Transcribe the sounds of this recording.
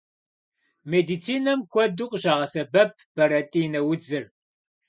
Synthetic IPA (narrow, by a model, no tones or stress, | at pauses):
meːdit͡sʰiːnɐmkʷʰɔduqʼʒaːʁɐsɐbɐp̚ʰb̥ɐɾɐtʼiːnɐwʊd͡zɨr